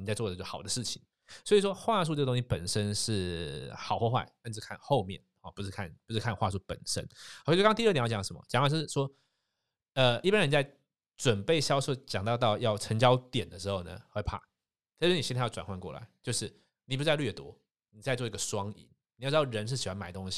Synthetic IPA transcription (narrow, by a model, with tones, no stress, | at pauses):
ni˨˩t͡sa˥˧ɪt͡sw̪ə˩t͡ɕo˥˩xɑ˨˩d̪ə˦ʂɻ̩˥˩t͡ɕʰi˨˦ŋ | swɔ˧˥i˨˩ʂ̬wɔ˥xwa˥˧s̬u˥˧ʈ͡ʂɤ˥˩ɡə˧t̪õ˥ŋɕi˥˧pə˨˩nʂə˦nʂɻ̩˥˩xɑ˨˩ʊxwɔ˥˧xwa̰˥˩ɪa˥˧nʂɻ̩˥˧kʰa˥˧nxo˥˧ʊmjɛ̰˥˩nxɔ˨˩pu˧˥ʂɻ̩˥˧kʰa˥˩npu˧˥ʂɻ̩˥˧kʰa˥˧nxwa̰˥˧s̬u˥˩pə̰˨˩nʂə̰˦nkʰt͡ɕt̪i˧˥˩jjjɑ˨˩ʂə˧˦mə̰˧t͡ɕɑ˨˦ŋwa˥˩t͡ɕo˥˧˩ʂ̩˥˩ʂwɔ˥ | ə˨i˥˩pa˥nɻə˧n˧˩t͡sa˥˩ɪ | ʈ͡ʂwə˨˩npe˥˩ɪɕjɑ˥ʊʂɔ˥˩t͡ɕjɑ˨˩ŋt̪ɑ˥˧t̪ɑ˥˧ʊjɑ˥˩ʊʈ͡ʂʰə˧˥ŋt͡ɕjɑ˥ʊt̪jɛ˨˩nd̪ə˦ʂɻ̩˧˥xo˥˩ʊnə̰˩xwe˥˧ɪpʰa̰˥˩ | t̪ʰɛ˧˥ni˨˩˥a˥˧jwa̰˨˩nxwa˥nkwɔ˥˩la̰˧˦ɪt͡ɕjo˥˧ʊʂɻ̩˥˩ | ni˨˩p̬u˧˩t͡sa˥˧lɥɛ˥˩t̪wɔ̰˥ | ni˨˩t͡sa˥ɪt͡swɔ˥˩i˥ɡə˨ʂwɑ˥ŋḭ˨˩˦n | ni˨jɑ˥˧ʈ͡ʂ̪ʊɻə˧˦nʂɻ̩˥˩ɕi˨˩xwa˧˥nma˨˩ɪt̪o˥ŋɕi˨˩